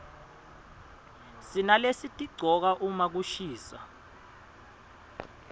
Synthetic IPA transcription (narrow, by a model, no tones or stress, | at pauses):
sinalesitʼiɡ͡ǀʱɔk̬aʔumak̬uʃiːsa